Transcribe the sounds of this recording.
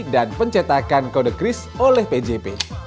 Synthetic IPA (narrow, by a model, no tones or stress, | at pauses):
danpəɲt͡ʃet̪akankodəɡɾɪs | olɛhped͡ʒepe